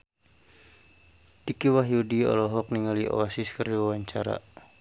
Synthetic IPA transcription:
tikiwaɦiudiɔ̰lɔɦɔk̚niŋalio̰asiskəriwawaɲt͡ʃaɾa̰

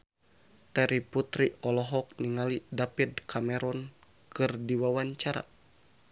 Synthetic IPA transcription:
t̪ɛɾiput̪ɾiɔlɔɦɔk̚niŋalidapid̪kʰamɛɾɔn | kɨrdiwawaɲt͡ʃaɾa̰

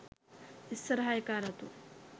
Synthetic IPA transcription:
isːɐɾɦaːjɐkaːɾɐt̪u

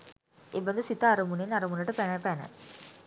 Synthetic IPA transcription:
ebɐnd̪ɐsit̪aːɾɐmunenɐɾɐmunəʈəpænəpænə̰

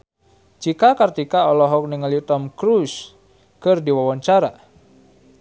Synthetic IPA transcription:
t͡ʃikakart̪ikaɔlɔɦɔk̚niŋəlit̪ɔmkɾus | kɨrdiwawɔɲt͡ʃaɾa̰

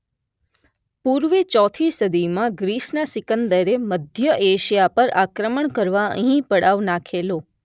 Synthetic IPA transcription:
puɾʋet͡ʃɔt̪ʰisəd̪imãɡɾiʃnasɪkənd̪əɾeməd̪ʱjəʔeʃijapəɾakɾəməɳkəɾʋaə̰̃ɦĩpəɽaʋnakʰelo

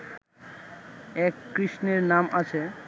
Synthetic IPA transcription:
ɛkːɾiʃneɾnamʔat͡ɕʰe

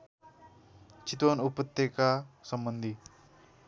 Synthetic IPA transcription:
t͡ʃit̪ʋonupət̪ːekasəmbənd̪ʱi

